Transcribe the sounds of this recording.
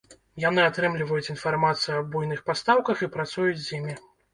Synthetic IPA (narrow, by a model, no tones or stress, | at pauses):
janɨat̪ɾɨmlʲivɐjut͡sʲinfarmat̪sɨjuɐbujnɨxpast̪awkɐxipɾat̪sujut͡sʲzʲjimʲi